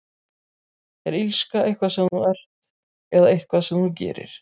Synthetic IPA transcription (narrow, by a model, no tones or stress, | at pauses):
θɛɾilskaʔejhkvasɛmθuɛr̥t̪ | ɛðaejht̪kʰvasɛmθucɛ̰ːɾɪ̰ɾ̥